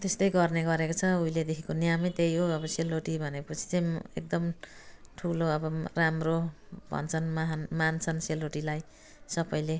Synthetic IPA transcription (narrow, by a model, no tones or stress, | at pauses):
t̪est̪ʌjɡʌrneɡʌɾekot͡sʰʌujled̪ekʰikonijamit̪ejoʌbʌseloʈibʱʌnepʌt͡sʰi̥t͡sʌj̃ḛk̚d̪ʌmʈʰuloʌbʌramro | bʱʌ̰nt͡sʰʌnmaɦnmant͡sʰʌnseloʈilaj | sʌbʌjle